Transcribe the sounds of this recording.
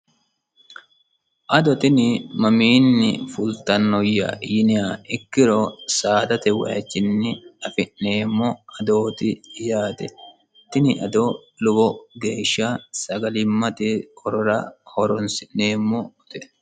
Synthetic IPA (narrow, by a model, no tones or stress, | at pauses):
ʔɐd̪ɔt̪ɪnɪmɐmiːnːɪ̰fʊlt̪ɐnːɔjːɐ̰jɪnɪaɪkːɪɾɔsaːd̪ɐt̪ɛwɐ̰ɐ̰t͡ʃːɪnːɪɐfɪʔne̞ːmːɔɐd̪oːt̪ɪjaːt̪ɛ | t̪ɪnɪʔɐd̪olʊbɔɡe̞ːʃːɐsɐɡɐlɪmːɐt̪ɪhɔɾɔɾɐ̰hɔɾɔnsɪʔneːmːɔt̪ɛ